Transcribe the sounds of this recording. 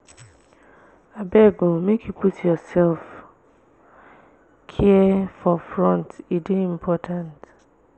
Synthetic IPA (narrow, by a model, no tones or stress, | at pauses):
abɛɡõmẽkuputjɔsɛlf | kʰiɛfɔfɹɔ̃ntideĩmpʰɔtʰãnt